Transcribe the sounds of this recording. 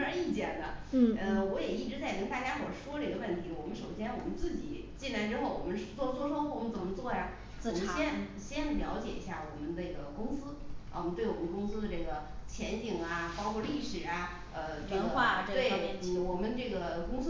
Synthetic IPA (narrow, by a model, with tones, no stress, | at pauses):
ə˧˥i˥˩t͡ɕjɛ˨˩nd̪ə˦˩ə˧wɔ˧˥jɛ˨˩i˥˩ʈ͡ʂɻ̩˧˥t͡sa˥˩ɪt̪ʰi˥ŋt̪a˥˧˩t͡ɕja˥xwɔ˨˩ʂwɔ˥də˧˩i˥ɡə˧ə˥˩nt̪ʰi˧˥wɔ˨˩mə˦nʂo˨˩ʊɕjɛ˥nwɔ˨˩mə˦nt͡sɹ̩˥˩t͡ɕi˨˩˦t͡ɕi˥˩nla˧˥nʈ͡ʂɻ̩˥xo˥˩ʊwɔ˨˩mə˦nʂt͡swɔ˥˧swɔ˥ʂ̬o˥ʊxɔ˥˩˨mə˦˥t͡sə˨˩mə˦t͡swɔ˥˩ja˨˩˨ | ɔ˨mə˦nɕjɛ˥nɕjɛ˥nljɑ˧˥ʊt͡ɕjɛ̰˨˩i˥ɕja˥˩wɔ˨˩mə˦nd̪ə˥˩ɡə̰˩kʊ˥ŋsɹ̩˥wmə˦t̪we˥˩ɪwɔ˨˩mə˦˥n˧kʊ˥ŋsɹ̩˥d̪ə˧ʈ͡ʂɤ˥˩ɡə˩t͡ɕʰjɛ˧˥nt͡ɕi˨˩ŋɐ˧˦pɑ˥ʊkʰwɔ˥˧li˥˩ʂɻ̩˨˩a˧˩ | ə˧pjɛ˧˥xwa˥˧˩t̪we˥˩ɪ˧˥˩wɔ˨˩mə˦nʈ͡ʂɤ˥˩ɡə˩kʊ˥ŋs